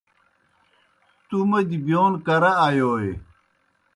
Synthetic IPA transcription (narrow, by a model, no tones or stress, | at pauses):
t̪umɐd͡ʑibjoːnkɐɾɐajoːe